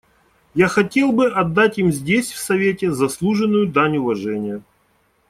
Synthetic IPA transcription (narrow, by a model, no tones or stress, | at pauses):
jaxɐtʲe̞lˠbɨʔɐd̪ːatʲimzʲdʲesʲfsɐvʲetʲɪzɐslˠuʐɨnːʊjʊd̪anʲʊvɐʐɛnʲɪjə